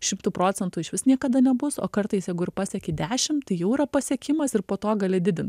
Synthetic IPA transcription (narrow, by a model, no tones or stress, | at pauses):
ʃʲɪmt̪uːpɾoːt͡sʲɛnt̪uɪʃʋʲɪsnʲiɛkɐd̪ɐnʲɛbʊso̰ːkɐɾt̪ɐɪsjɛɪɡʊɪɾpɑsʲɛkʲɪd̪ʲæːʃʲɪmt̪ɐɪjɛʊiːɾɐpɐsʲɛkʲɪmɐsɪɾpoːt̪oːɡɐlʲɪd̪ʲɪd̪ʲɪnt̪